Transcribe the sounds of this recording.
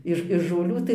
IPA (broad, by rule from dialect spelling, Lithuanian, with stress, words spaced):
ˈɪʃ ɪʃ ʒoːlʲˈuː tɐɪ